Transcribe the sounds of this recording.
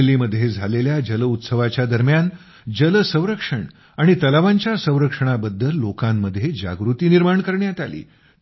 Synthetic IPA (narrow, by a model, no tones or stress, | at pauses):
lːiːməd̪ʱːjed͡zʱaleljad͡ʑələut̪səʋat͡ɕjad̪əɾmjan | d͡ʑələsə̃w̃ɾəkʂəɳ | aɽ̃it̪əlaʋaɲt͡ɕjasə̃w̃ɾəkʂəɳ̃abəd̪ʱːəlːokãmːəd̪ʱːjed͡ʑa̰ɡɾut̪iːniɾmaɳkəɾɳjat̪alḭː